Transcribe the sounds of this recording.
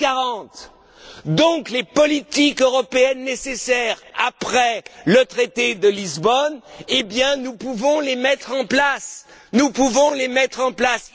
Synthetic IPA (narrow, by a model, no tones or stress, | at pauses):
kaʁɑ̃t̪ | d̪ɔ̃klepɔlit̪ikøʁɔpeɛnːesesɛʁapχɛlət̪χet̪ed̪əlizbɔnebjɛ̃nupuvɔ̃lemɛt̪χɑ̃plasnupuvɔ̃lemɛt̪χɑ̃plas